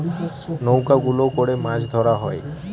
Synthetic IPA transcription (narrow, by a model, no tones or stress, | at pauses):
nowkaɡulokoɽemãd͡ʒʰʱd̪ʱɔɾaɦɔe